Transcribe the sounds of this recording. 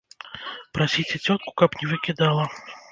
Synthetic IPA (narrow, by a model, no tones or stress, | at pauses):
pɾasʲit͡sʲɛt͡sʲɔt̪̚ku̥kɐpnʲɛvɨkʲid̪alˠɐ